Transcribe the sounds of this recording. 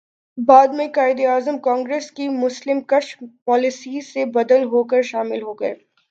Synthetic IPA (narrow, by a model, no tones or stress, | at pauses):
baːd̪mẽkaːɪd̪iaːzəmkɔ̃ːŋɡɾeːskimʊslɪmkɐʃpɔːlɪsisebɐd̪əlɦoːkəɾʃaːmɪlɦoːɡɐḛː